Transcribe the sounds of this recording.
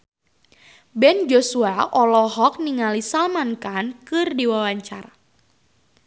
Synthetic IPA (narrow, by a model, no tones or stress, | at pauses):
bɛnd͡ʒosuaʔɔlɔɦɔk̚niŋalisalmankankɨrdiwawaɲt͡ʃa̰ra